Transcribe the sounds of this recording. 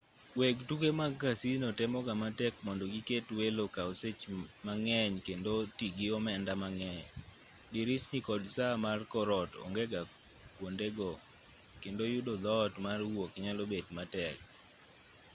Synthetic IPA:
weɡtukemaɡkasinotɛmɔɡamatɛkmɔndɔɡiketwelokaoset͡ʃmaŋɛɲkendotiɡiɔmɛndamaŋɛɲ | diɾɪsnikɔdsamarkɔɾɔtɔ̰ŋɡɛɡa | kwondeɡɔ | kendojʊdod̪ɔtmarwokɲalobedmatɛk̚

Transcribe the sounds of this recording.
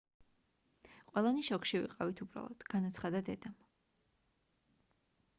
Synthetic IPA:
qʼwɛlˠaniʃɔkʃivḭqʼavit̪ʰubɾa̰lˠɔ̰d̪̥ɡ̥anat̪sʰχad̪ad̪ɛd̪am

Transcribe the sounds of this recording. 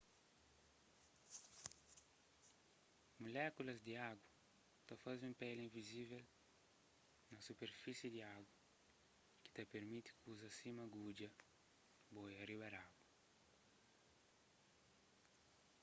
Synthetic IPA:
mulɛkulɐzd̪iaɡwa | t̪afazẽmpɛlĩɱvizivɛl | nɐsupeɾfisid̪iaɡwɐ | ki̥t̪apeɾmit̪i̥kʰuzɐsimaɡud͡ʒɐ | bɔjariβaɾabu

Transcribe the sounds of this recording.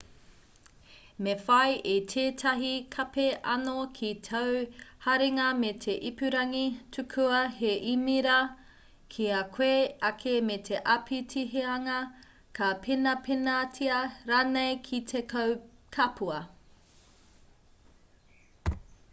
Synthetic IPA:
mefɐjʔitʰeːtʰɐɦikʰɐpeʔɐ̰nokʰitʰɐwhɐɾeŋɐmetʰeʔipʉɾɐŋitʰʉkʰʉɐɦeʔimiɾɐ | kʰiɐkʰweɐkʰemetʰeʔɐpʰitʰiɦeɐŋɐ | kʰapʰenɐpʰenatʰiɐɾaːnejkʰitʰekɐwkʰɐpʰuɐ

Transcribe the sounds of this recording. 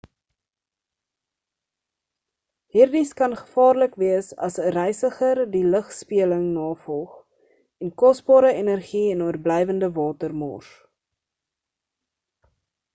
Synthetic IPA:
ɦiːrdiskɐnχə̥fɑːrləkviəsɐ̰səɾɛjsəχərdiləχspiələŋnɑːfɔlˠχ | ɛnkɔsbɑːɾəenərχiɛnuərblɛjvəndəvɑːtərmɔ̰r

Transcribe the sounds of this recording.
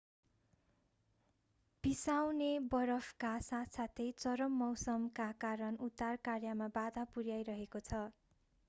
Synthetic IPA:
b̥isawnebʌɾʌbʰkasasat̪ʰejt͡sʌɾʌmːʌwsʌmkakaɾʌnut̪ːarkarjamabad̪ʱapurjajɾʌɦekot͡sʰʌ

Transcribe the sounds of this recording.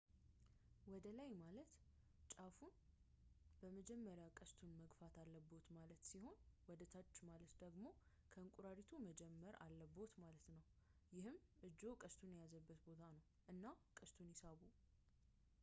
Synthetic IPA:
wɔd̪əlajmalət̪ | t͡ʃʼafun | bəməd͡ʒɛmːəɾjakʼəst̪ʰunməɡfat̪ʰalːəbo̞t̪malət̪siho̞nwɔd̪ət̪ʰat͡ʃːmalət̪d̪əɡmo̞ | kʰəɨŋkʼuɾaɾit̪ʰuməd͡ʒɛmːəɾa̰lːəbo̞t̪malət̪nəwjɪhɨmɨd͡ʒːo̞kʼəst̪ʰunjɛjazəbːət̪bo̞t̪ʰanəw | ʔɨnːakʼəst̪ʰunjisaβu

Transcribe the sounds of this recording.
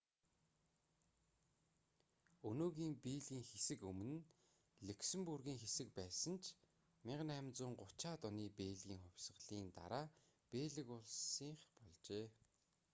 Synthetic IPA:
ɵnoːɣiːmpiːɮɣiːŋxesɘ̆kɵm̆nɘ̆n | ɮeksɘ̆mpurɣiːŋxesɘ̆k̚pæːsə̆nt͡ɕʰ | mɪɴɢ̆næmʲt͡sʊːɴɢʊt͡ɕaːt̪ɔniːpeːɮɣʲiːŋχʊwʲsʁɮiːnt̪a̰ɾaː | peːɮɘ̆kʊɮsiːɴχpɔɮt͡ɕeː

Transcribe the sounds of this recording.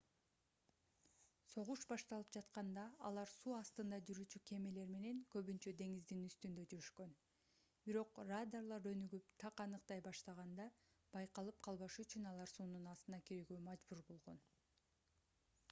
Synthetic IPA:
so̞ʁuʃbɑʃt̪ɑlˠɯp̚d͡ʒɑt̪qɑnd̪ɑɑ̰lˠɑɾsuːɑst̪ɯnd̪ɑd͡ʒyɾyːt͡ʃykʰe̞me̞le̞ɾme̞ne̞ŋkøβynt͡ʃød̪e̞ŋizd̪inyst̪ynd̪ø̞d͡ʒyɾyʃkø̞n | biɾo̞qrad̪arlˠɑɾø̞nyɡypt̪ʰɑqɑnɯqt̪ɑjbɑʃt̪ɑʁɑnd̪ɑ | b̥ɑjqɑlˠɯp̚qʰɑlˠβɑʃyt͡ʃynɑlˠɑɾsuːnunɑst̪ɯnɑkiɾeɡymɑd͡ʒbuɾbo̞lˠʁo̞n

